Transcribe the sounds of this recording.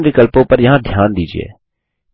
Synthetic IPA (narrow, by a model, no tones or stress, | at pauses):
ɾɪkəlpõpɐɾjɐɦãd̪ʱjaːnd̪iːd͡ʒḭḛː